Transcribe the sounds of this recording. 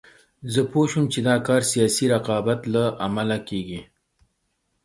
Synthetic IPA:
zəpoʃumt͡ʃed̪ɑkɑɾsijɑsiɾaqɑbat̪laʔamalakeɡi

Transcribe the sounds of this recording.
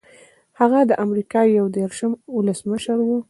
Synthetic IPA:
haɣad̪əʔamɾikɑjawd̪eɾʃəmʊləsməʃaɾwu

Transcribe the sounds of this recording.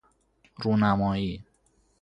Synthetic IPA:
ɾunamɔi

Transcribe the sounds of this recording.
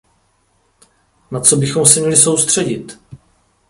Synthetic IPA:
nat͡so̞bɪxo̞msɛmɲɛlɪso̞wst̪r̝̥ɛɟɪt̪

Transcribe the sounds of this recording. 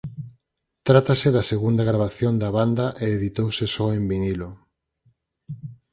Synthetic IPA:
t̪ɾat̪asɪðɐseɣund̪aɣɾaβaθjond̪ɐβand̪aʔeːðit̪owsɪsɔembinilo

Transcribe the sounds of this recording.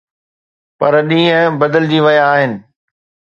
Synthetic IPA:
pɐɾɗĩːɦə̃bɐd̪əld͡ʑiːʋɐjaːɦɪnɪ̆

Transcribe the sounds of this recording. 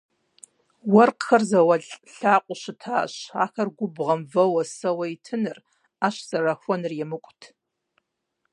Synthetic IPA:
wɐrqxɐrzɐwɐɮɬaːqʷʼʊʃɨtʰa̰ːɕa̰ːxɐrɡʷʊbʁɐmvɐwɐsɐwɐitʰɨnɨr | aːʃz̥ɐraxʷɔnɨrjɛmɨkʷʼʊtʰ

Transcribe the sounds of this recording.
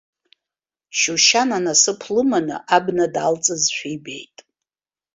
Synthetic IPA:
ʃuʃananasɨpʰlɨmanɨ̰ʔabnadalt͡sʼɨzʃʷᶣijbe̞̰jtʼ

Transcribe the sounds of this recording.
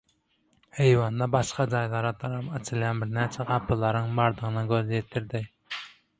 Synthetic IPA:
hejwɑnd̪ɑbɑʃqɑd͡ʒɑjlˠɑɾɑt̪ʰɑɾɑpɑt͡ʃʰɪlɛnbɪɾnɛt͡ʃʰɛʁɑpʰːɨlˠɑɾɨŋbɑɾd̪əʁənɨɡʲøzɛt̪ʰːɪɾd̪ɪ

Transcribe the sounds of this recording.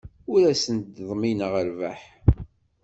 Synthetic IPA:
ʊɾæsənd̪ðˤminəʁəɾvæħ

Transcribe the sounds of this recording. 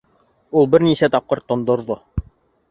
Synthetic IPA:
ulˠbɘɾnisæt̪ɑp̚qɤɾt̪ːŏnd̪ŏɾðo

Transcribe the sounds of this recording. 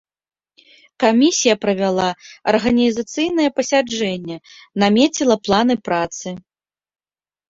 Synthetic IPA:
kamʲisʲijɐpɾɐvʲalˠaɐrɣɐnʲizɐt̪sɨjnɐjɛpɐsʲad͡ʐɛnʲːɛnamʲet͡sʲilˠɐplˠanɨpɾat̪sɨ

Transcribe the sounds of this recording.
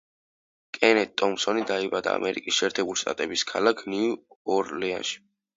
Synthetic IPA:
kʼɛnɛt̪ʼːɔmsɔnid̪aibad̪a̰ːmʔɛɾḭkʼisʃɛːɾt̪ʰɛbuliʃt̪ʼat̪ʼɛbiskʰalakʰniuɔɾlɛa̰nʃi̥

